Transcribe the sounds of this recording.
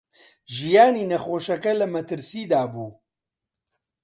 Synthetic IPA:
ʒijaːniːnɐxoːʃɛkɛlɐmɐt̪ʰɨɾsiːd̪aːbuː

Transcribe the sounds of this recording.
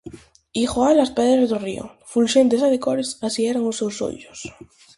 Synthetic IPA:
ixoalaspɛðɾazðorio̰fulʃent̪esaðekoɾesasiɛɾaŋosewso̰ʎos

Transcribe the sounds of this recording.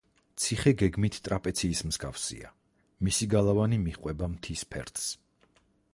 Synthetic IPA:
t̪sʰiχɛɡɛɡmit̪ʰt̪ʼɾapʼɛt̪sʰiːsmz̥ɡafsḭa̰ | misiɡalˠavanimiχqʼwɛbamt̪ʰispʰɛ̰ɾt̪ʰs

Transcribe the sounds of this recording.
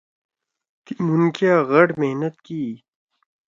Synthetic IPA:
t̪imunkjaːɣɐʈmehnɐt̪̚kiː

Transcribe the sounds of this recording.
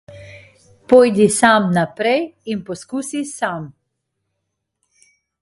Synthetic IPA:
pɔjd̪isamnapɾɛjinpɔskuːsisam

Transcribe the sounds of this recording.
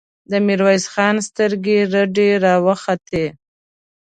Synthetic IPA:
d̪əmiɾwajzxɑnst̪əɾɡeɾəɖeɾɑwəxat̪e

